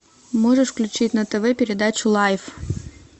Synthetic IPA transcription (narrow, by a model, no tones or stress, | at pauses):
moʐɨʂfklʲʉt͡ɕitʲnət̪ɛvɛpʲɪɾʲɪd̪at͡ɕʊlˠajf